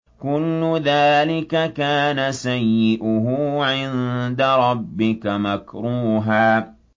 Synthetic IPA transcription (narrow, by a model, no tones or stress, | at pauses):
kʊlːʊðaːlɪkakaːnasajːɪʔʊɦʊːʕɪnd̪aɾˤɑbːɪkamakɾuːɦaː